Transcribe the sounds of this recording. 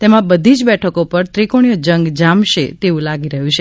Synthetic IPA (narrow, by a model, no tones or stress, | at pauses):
t̪emãbəd̪ʱid͡ʒbɛʈʰəkopəɾt̪ɾikoɳ̃ijod͡ʒəŋɡd͡ʒamʃet̪eʋũlaɡiɾəɦũt͡ʃʰe